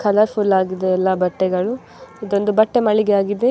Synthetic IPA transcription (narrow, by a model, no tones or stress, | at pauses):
kʰɐlɐɾpʰulaːɡid̪eːlːɐbɐʈːɛɡɐɭu | id̪o̞nd̪ubɐʈːemɐɭiɡeaːɡid̪e̞